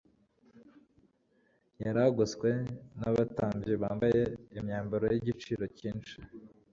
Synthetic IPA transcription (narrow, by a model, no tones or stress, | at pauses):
jaɾaɡoskwe̞naβataːmbɟiβaːmbaje̞imɲaːmbaɾojiɟit͡ʃiːɾo̞ciːnt͡ʃi̥